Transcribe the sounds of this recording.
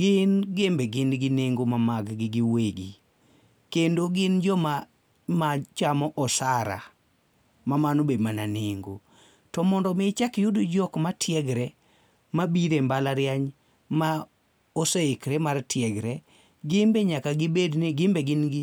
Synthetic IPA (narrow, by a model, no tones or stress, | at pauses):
ɡɪnɡembeɡɪnɡɪneŋɡomamaɡɡɪɡɪweɡḭ | kendoɡɪnd͡ʒɔma | mat͡ʃamɔʔɔsaɾa̰ | mamanobedmananeŋɡo̰ | tɔmɔndɔmɪt͡ʃakjʊdod͡ʒɔkmatʰjɛɡɾɛ | mabiɾembalaɾjaɲ | ma | oseɪkɾemartʰjɛɡɾɛ | ɡɪmbeɲakaɡɪbednɪɡɪmbeɡɪnɡɪ